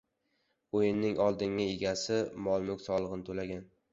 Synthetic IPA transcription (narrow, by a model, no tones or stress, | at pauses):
ojɪnːɪŋɒlˠd̪ɪŋɪeɡʲasɪmɒlˠmʊkʲsɒlˠɨʁɨnɪt̪ʰolaɡʲan